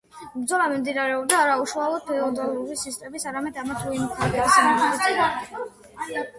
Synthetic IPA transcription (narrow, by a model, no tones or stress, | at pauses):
bɾd̪zɔlˠamimd̪inaɾɛɔb̚d̪aːɾauʃualˠɔd̪̚bɛlˠɔd̪ɔluɾisist̪ʼɛmisaɾamɛd̪amat̪ʰuimukʰnɛɡ̪samɔɔi